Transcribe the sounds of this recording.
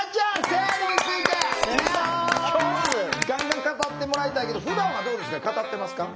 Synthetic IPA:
d͡ʑaːseniit͡sɨit̪enãt͡ɕotːɨɡãŋɡãŋkat̪at̪ːe̞mo̞ɾait̪aike̞d̪o̞ɸɯ̟d̪ãɰ̃βad̪o̞ːd̪e̞sɨkakat̪at̪ːe̞masɨ̥ka

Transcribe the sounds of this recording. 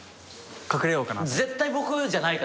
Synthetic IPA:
kakɯ̟ɾejo̞ːka̰naze̞t̪ːaibo̞kɯ̟d͡ʑanaika

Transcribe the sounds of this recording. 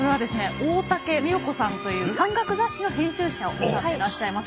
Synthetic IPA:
soɾe̞β̞ad̪e̞sɨne̞oːt̪ake̞mʲioko̞sãnt̪o̞jɯ̟ːsãŋɡakɯ̟zaɕino̞hẽ̞ɕɨːɕaoaeɾaɕːaimas

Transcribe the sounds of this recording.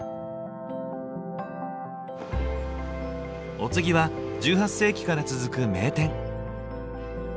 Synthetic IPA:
o̞t͡sɨɡʲiβad͡ʑɨːɦasːe̞ːkʲi̥kaɾat͡sɨzɨkɯ̟me̞ːt̪ẽ̞ŋ

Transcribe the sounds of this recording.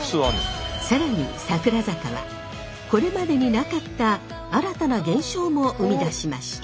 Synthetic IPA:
ssaɾaɲ̟ḭsakɯ̟ɾazakaβa̰ | ko̞ɾe̞mad̪e̞ɲ̟inakat̪ːaː | ɾat̪anaɡẽ̞ɰ̃ɕo̞ːmo̞ʔɯmʲid̪aɕimaɕi̥t̪a

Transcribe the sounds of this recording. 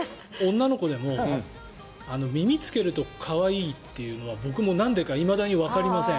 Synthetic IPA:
õ̞nːano̞ko̞d̪e̞mo̞ | ano̞mʲimʲit͡sɨ̥ke̞ɾɯ̟t̪o̞kʰaβaiːt̪ːe̞jɯ̟no̞β̞abo̞kɯ̟mo̞nãnd̪e̞kaimad̪aɲ̟iβakaɾʲimasẽ

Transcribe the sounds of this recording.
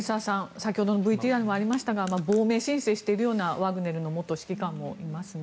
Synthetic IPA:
saːsãɰ̃sakʲiho̞d̪o̞no̞bɯ̟it̪ʲiːaɾɯ̟moaɾʲimaɕi̥t̪aɡamabo̞ːme̞ːɕĩɰ̃se̞ːɕi̥t̪e̞iɾɯ̟jo̞ːnaβaɡɯ̟ne̞ɾɯ̟no̞mo̞t̪ːoɕi̥kʲikãmːo̞ʔimasɨn

